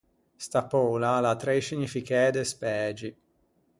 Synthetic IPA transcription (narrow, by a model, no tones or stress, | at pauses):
st̪apɔːlalat̪ɾeʃiɲːifikɛd̪espɛːd͡ʒi